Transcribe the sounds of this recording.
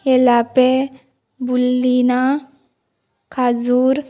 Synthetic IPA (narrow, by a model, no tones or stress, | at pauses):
elape | bulːina | kʰad͡zuːɾ